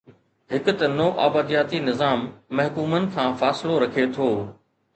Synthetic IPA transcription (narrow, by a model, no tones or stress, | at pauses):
ɦɪkʊ̆t̪ɐnoːʔa̰ːbaːd̪ijaːt̪inɪzaːmːɐɦkuːmənɪ̆kʰãːfaːsɪloɾɐkʰet̪ʰoː